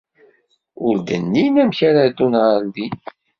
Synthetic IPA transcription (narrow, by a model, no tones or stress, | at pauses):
ʊɾd̪ənːinæmçaɾad̪unʁəɾd̪i